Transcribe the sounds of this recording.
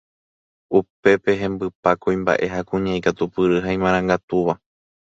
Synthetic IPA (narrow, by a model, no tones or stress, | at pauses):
upe̞pe̞ɦẽ̞mbɨpakõj̃mba̰ʔe̞ɦakũɲãikat̪upɨɾɨɦaĩmãɾ̃ãŋɡat̪uʋa